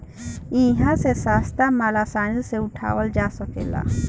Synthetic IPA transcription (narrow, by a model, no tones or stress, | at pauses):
ĩɦãsesaːst̪amaːlasaːnlseuʈʰa̰ːwəld͡ʒaːsəkḛla̰